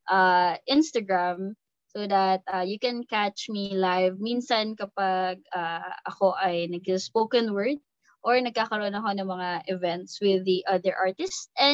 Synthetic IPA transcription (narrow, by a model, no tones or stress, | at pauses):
ʔaʔɪnst̪ɐɡɹam | soðɐt̪̚ʔajukɛnkat͡ʃmilajvminsɐnkɐpaɡ̚ʔaːʔɐko̞ʔɐjnɐɡ̚ɐspokɐnwɛɹd̪̚ | ʔoɹnɐɡ̚kaːkɐɾoʔonɐko̞nɐŋmɐŋaʔɪvɛnt̪swɪðːiʔɐðɛɹʔaɹt̪ɪstʔɛ